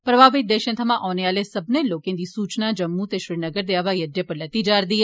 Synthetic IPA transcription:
pɾɐbʱaːʋɪt̪̚d̪eːʃə̃nt̪ʰəmãʔɔːnejaːlesɐbneloːkẽnd̪isuːt͡ʃnad͡ʒəmːũt̪eʃɾinəɡəɾd̪eaʋajɐd̪jəpəɾlɐt̪id͡ʒaːɾd̪ie

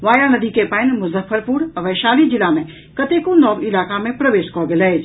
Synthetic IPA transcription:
ʋaːjanɐd̪iːkepãːɪnmʊzəfəɾpuɾɐʋɐːʃaːlĩd͡ʑɪlaːmẽ | kɐt̪ekõnɔːɡɪlaːkamẽpɾɐʋeːʃkɔːɡeləed͡ʒ

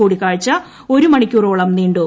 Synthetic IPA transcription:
uːɽikːaːɻit͡ɕːɐ | o̞ɾumɐɳikʲːuroːɭɐmniːɳɖu

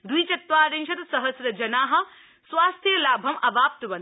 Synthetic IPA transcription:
d̪wuiːt͡ʃɐt̪ʋaːɾɐnʃɐt̪sɐɦɐsɾɐd͡ʒɐnaːɦɐ̆ | swaːst̪ʰjɐlaːbʱɐmɐbaːp̚t̪ʋɐn

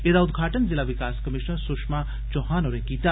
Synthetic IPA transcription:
ed̪aud̪ɡʱaːʈənzilaʋikaːskɐmiʃnəɾsukʂma | d͡ʒoɦaːnoɾẽɡiːt̪a

